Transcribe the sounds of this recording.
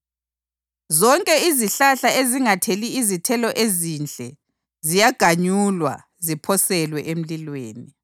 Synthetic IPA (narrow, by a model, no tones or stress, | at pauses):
zɔŋkʼɛiziɬaɬaʔeziŋatʰeliːzitʰɛlɔʔezind͡ɮʱʼɛ | zijaɡ̥ʱaɲulwa̰ | zipʰɔsɛlwɛʔem̩lilweːni